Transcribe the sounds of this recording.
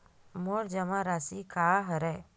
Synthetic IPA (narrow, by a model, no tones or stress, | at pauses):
moɽd͡ʒəmãɾaːsikʰaːɦəɾɛː